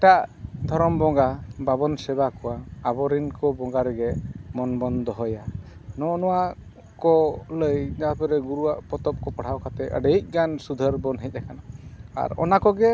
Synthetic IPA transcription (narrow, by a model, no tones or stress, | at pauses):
ɛʈaʔd̪ʱɔɾɔmbɔŋɡababɔnsɛbakɔwaːbɔɾinkɔbɔŋɡaɾɛɡɛmɔnbɔnd̪ɔɦɔjanɔnɔwa | kɔləjd͡ʒapɛɾɛɡuɾuwaʔpɔt̪ɔp̚kɔpɔɽ̤ʰawkat̪ɛʔə̰ɖəjc̚ˀɡansud̪ʱəɾbɔnɦɛc̚ˀɛkanaa̰ɾɔ̰nakɔɡɛ